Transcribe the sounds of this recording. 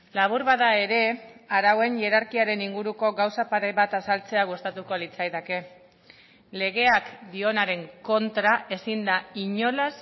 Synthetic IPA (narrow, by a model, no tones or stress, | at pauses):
laβ̞uɾβaðae̞ɾe̞aɾawe̞nʎe̞ɾaɾkiaɾe̞niŋɡuɾuko̞ɣawsapaɾejβat̪asalt͡se̞aɣ̞ust̪at̪uko̞lit͡sajðake̞ | le̞ɣ̞e̞akd̪io̞naɾe̞ŋko̞nt̪ɾae̞sind̪aiɲo̞las